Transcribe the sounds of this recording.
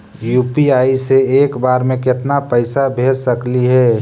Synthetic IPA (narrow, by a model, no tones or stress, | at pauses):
juːpiaːiseeːkbaːɾmẽkɪt̪napəɪsabʱeːd͡ʒsəkliɦɛː